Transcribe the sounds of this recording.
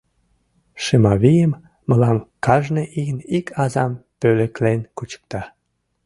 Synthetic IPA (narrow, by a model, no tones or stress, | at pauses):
ʃemɑβijəmː | əlɑmkɑʒneʔiɣənikʰɑzɑmpølĕklenkut͡ɕə̥k̚t̪ɑ